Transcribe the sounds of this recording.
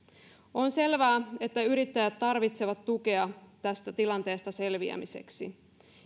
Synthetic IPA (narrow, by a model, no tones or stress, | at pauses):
o̞nse̞lʋæːe̞t̪ːæyɾit̪ːæjæt̪ːɑrʋit̪se̞ʋɑt̪ːuke̞ɑt̪æst̪æt̪ilɑnt̪e̞ːst̪ɑse̞lʋiæ̰mise̞̰ksḭ